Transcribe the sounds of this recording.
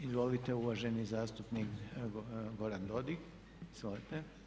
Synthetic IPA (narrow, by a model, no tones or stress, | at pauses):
izʋolit̪e̞uʋaʒe̞nizaːst̪upnik | ɡo̞ɾand̪o̞d̪ik | izʋolit̪e